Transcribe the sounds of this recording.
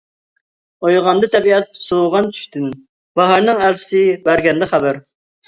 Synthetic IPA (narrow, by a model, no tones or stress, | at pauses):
ojʁɑnd̪ɨt̪ʰɛbiɛt̪̚soʁɑnt͡ʃ̪ʰy̥ʃt̪ɪn | bɑɦɑɾnɨŋælt͡ʃʰɪ̥sɪbæɾɡʲɛnd̪ɛχæbæɾ